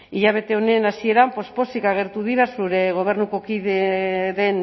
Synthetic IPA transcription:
iʎaβ̞e̞t̪e̞o̞ne̞nasie̞ɾampo̞spo̞sikaɣ̞e̞ɾt̪uðiɾasuɾe̞ɣ̞o̞β̞e̞ɾnuko̞kiðeðe̞n

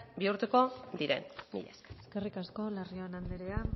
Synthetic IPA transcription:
biuɾt̪uko̞d̪iɾḛnmḭʎa̰seske̞rikasko̞lario̞enand̪eɾea

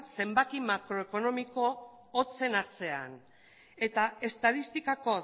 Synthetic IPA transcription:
t̪se̞mbakimakɾo̞eko̞no̞miko̞ | ot͡se̞naɾt͡se̞a̰n | e̞t̪ae̞st̪aðist̪ikako̞

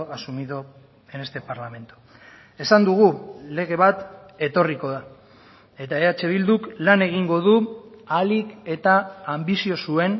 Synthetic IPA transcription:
asumiðo | ene̞st̪e̞paɾlame̞nt̪u̥ | e̞sand̪uɣ̞ule̞ɣ̞e̞β̞at̪ | e̞t̪o̞riko̞ða | e̞t̪aeat͡ʃe̞βild̪uklane̞ɣ̞iŋɡo̞ð̞ualike̞t̪aːmbisio̞sue̞n

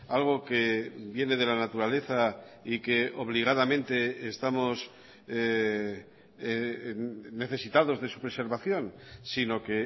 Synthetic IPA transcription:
alɣ̞o̞ke̞bje̞ne̞ðe̞lanat̪uɾale̞θaike̞o̞β̞liɣ̞aðamẽ̞nt̪e̞ːst̪amo̞s | ne̞θe̞sit̪að̞o̞zðe̞supɾe̞se̞ɾβaθjo̞nsino̞ke̞

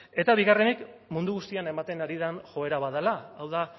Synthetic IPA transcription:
e̞t̪aβiɣare̞nik | mund̪uɣust̪iane̞mat̪e̞naɾiðanʝo̞e̞ɾaβaðalaːwða

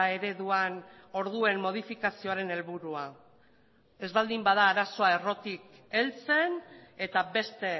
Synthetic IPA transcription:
e̞ɾe̞ðuano̞ɾðue̞mmːo̞ð̞ifikasio̞aɾe̞ne̞lβuɾua | e̞zβald̪imbaðaːɾaso̞ae̞ro̞t̪ike̞lt͡se̞ne̞t̪aβe̞st̪e̞

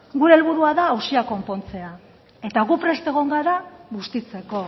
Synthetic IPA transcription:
ɡuɾe̞ːlβuɾuaðaːwsiako̞mpo̞nt͡se̞a | e̞t̪aɣupɾe̞st̪e̞ɣ̞o̞ŋɡaɾaɣust̪it͡se̞ko̞

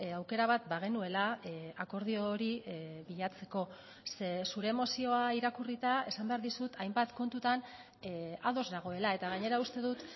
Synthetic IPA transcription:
awke̞ɾaβat̪̚baɣ̞e̞nue̞laako̞ɾð̞io̞ɾiβiʎat͡se̞ko̞ | sesuɾe̞mo̞sio̞aiɾakurit̪ae̞sambe̞aɾðisut̪ʰajmbat̪ko̞nt̪ut̪an | aðo̞zðaɣ̞o̞e̞lae̞t̪aɣ̞aɲe̞ɾaust̪e̞ðut̪

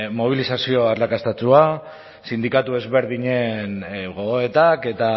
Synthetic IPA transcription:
mo̞β̞ilisasio̞aɾlakast̪at͡sua | sind̪ikat̪ue̞zβe̞ɾðiɲe̞nɣo̞ɣoet̪ake̞t̪a

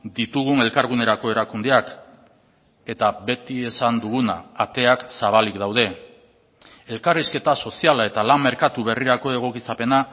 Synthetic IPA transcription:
d̪it̪uɣ̞une̞lkaɾɣune̞ɾako̞e̞ɾakund̪eak | e̞t̪aβe̞t̪iesand̪uɣ̞una̰ːt̪e̞aksaβ̞alikd̪awð̞e̞ | e̞lkariske̞t̪aso̞sialae̞t̪alamːe̞ɾkat̪uβ̞e̞riɾako̞e̞ɣ̞o̞kit͡sape̞na

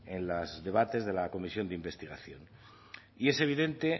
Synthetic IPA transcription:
enlazðe̞β̞at̪e̞zðe̞lako̞misjo̞nd̪eimbe̞st̪iɣaθjo̞n | ie̞se̞β̞iðe̞nt̪e̞

